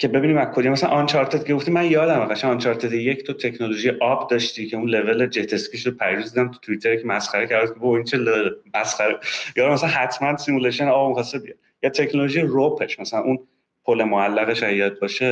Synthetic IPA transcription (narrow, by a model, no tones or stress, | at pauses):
cʰe̞be̞biːniːmækʰod̪ijmæsælæ̰nʔɒnt͡ʃʰɒɾt̪ʰed̪̥cʰe̞ɡoft̪imænjɒːd̪æmæχæʃænɒnt͡ʃʰɒɾt̪ʰed̪iject̪ʰot̪ʰe̞cʰnolo̞ʒijeʔɒbd̪ɒʃt̪iːcʰe̞unle̞ve̞led͡ʒet̪ʰeskiʃopʰæɾid̪uzid̪æmt̪ʰu̥t̪ʰuit̪ʰeɾecʰemæsχæɾecʰæɾd̪æd̪kʰeboint͡ʃʰelelmæsχæɾejɒːd̪æmæsælænhæt̪ʰmænsimuleʃoneɒːbmixɒst̪ebijɒ̰d̪̚jɒːt̪ʰe̞cnoloʒijeropʰeʃmæsælænʔun | pʰole̞moælːæɣeʃæijɒt̪̚bɒʃe